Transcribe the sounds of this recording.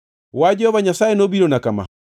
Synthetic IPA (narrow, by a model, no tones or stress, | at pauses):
wad͡ʒɛhɔβaɲasaenobiɾɔnakama̰